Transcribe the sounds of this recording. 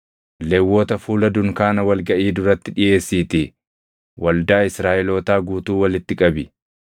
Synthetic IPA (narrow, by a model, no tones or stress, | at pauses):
lɛwːoːt̪ɐfuːlɐd̪ʊŋkaːnɐwɐlɡɐʔiːd̪ʊɾɐt̪ːɪᶑɪje̞ːsːiːt̪ɪ | wɐld̪aːɪsɾaːʔɛlo̞ːt̪aːɡuːt̪uːwɐlɪt̪ːɪkʼɐbɪ